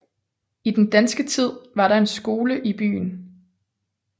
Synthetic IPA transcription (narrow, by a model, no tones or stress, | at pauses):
id̥end̥ænsɡ̥ət͡sʰið̞̰ˠʋɑ̈ɾɑ̈e̝nsɡ̥o̝ːləʔib̥y̰ːn